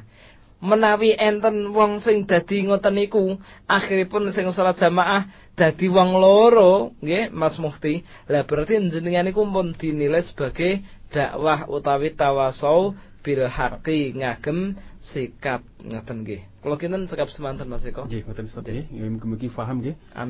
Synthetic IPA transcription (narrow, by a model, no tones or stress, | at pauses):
mənawiʔɛnt̪ənwɔŋsɪŋd̪̥ä̤d̪̥i̤ŋɔt̪əniku | ʔaxiɾipʊnsɪŋsɔlat̪̚ʒ̥a̤maʔah | d̪̥ä̤d̪̥i̤wɔŋloɾoŋɡemasmust̪i | lab̥əɾart̪iɲd͡ʒəniŋanikumpʊnd̪̥i̤nilɪsə̥b̥a̤ɡ̥ed̪̥a̤ʔwahṵt̪awit̪awasɔu | b̥i̤lha̰kiŋaɡ̥ə̤msikap̚ŋət̪ənɡḛkəlokint̪ənsəkap̚səmant̪ənmasikɔeŋt̪ənɡəməkifaɦəmke | a̰